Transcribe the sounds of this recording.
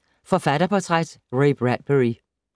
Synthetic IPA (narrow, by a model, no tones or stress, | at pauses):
fɒfæɾɐpʰɒt͡sʰʁad̥ʁeɪb̥ʁæd̥̚b̥əʁi